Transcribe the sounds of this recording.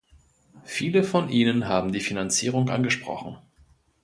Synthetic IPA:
fiːləfɔnʔiːnənɦaːbm̩diːfinant͡siːʁ̞ʊŋʔa̰nɡəʃpʁ̥ɔ̰χn̩

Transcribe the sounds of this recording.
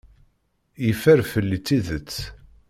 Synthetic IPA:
jifæɾfəlːit͡sːiðət͡sː

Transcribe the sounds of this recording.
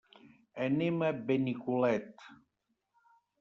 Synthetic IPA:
enemebenikulɛt̪

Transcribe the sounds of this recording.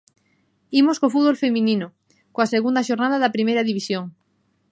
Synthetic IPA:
imoskofuðβolfemĩnĩno | koaseɣund̪aʃoɾnaðaðɐpɾimejɾaðiβisjoŋ

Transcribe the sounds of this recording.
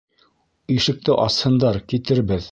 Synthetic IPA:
iʃɘ̆k̚t̪ɘʔɑshɤ̆nd̪ɑɾkit̪ɘ̆ɾbɘð

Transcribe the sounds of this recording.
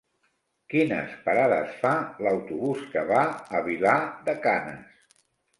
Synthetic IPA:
kinə̰spaɾaðə̰sfaləwt̪uβuskəβaəβilaðəkanə̰s

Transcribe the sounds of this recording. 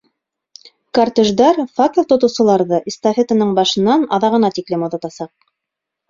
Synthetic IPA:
kart̪ɘ̆ʒd̪ɑɾfak̚t̪ət̪ŏt̪ɤ̆wsɤ̆lˠɑɾðɤʔist̪ɐfʲet̪ɤ̆nɤɴbɑʃɤ̆nːɑnɑðɑʁɤ̆nɑt̪iklɘmŏðɑt̪ɑsɑq̚

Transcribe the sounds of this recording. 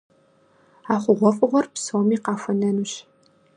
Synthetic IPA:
aːχʷʊʁʷɔfʼɨʁʷɔrpsoːmiːqɑːfʷɐnɐnuːɕ

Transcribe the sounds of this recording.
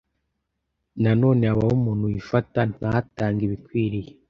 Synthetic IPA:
nano̞ːneaβawomuːn̥hujifatan̥ahataːŋɡiβikwiːɾije

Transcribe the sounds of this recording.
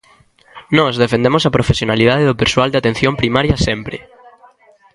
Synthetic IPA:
nɔzðefend̪emosapɾofesjonaliðaðeðʊpeɾswald̪eat̪en̟θjompɾimaɾjɐsempɾɪ

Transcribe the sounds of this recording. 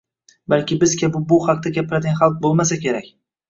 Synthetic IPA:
balkʲɪbɪzkʲʰabɪbʊhaqt̪ʰaɡʲapɪɾad̪ɪɡʲanχalˠq̚bolˠmasakʲe̞ɾakʲ

